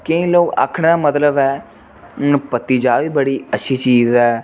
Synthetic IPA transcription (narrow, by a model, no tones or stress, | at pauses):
kəĩːloːka̰kʰəɽ̃d̪aːmət̪ləbɦɛː | pət̪ːiːd͡ʒaːʋiːbəɽiːətːʃʰiːt͡ʃiːzɛː